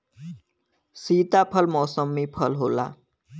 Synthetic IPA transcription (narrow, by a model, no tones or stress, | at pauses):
siːt̪apʰəlmɔːsəmːipʰəlɦola̰